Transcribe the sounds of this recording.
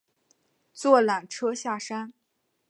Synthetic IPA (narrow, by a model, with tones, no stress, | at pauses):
t͡swɔ˥˩la˨˩ŋʈ͡ʂʰɤ˥ɕja˥˩ʂa˥n